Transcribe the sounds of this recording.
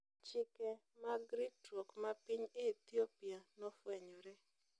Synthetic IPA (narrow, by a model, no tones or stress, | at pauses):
t͡ʃɪkɛ | maɡɾitɔkmapiɲeit̪iopianɔfwɛɲɔɾɛ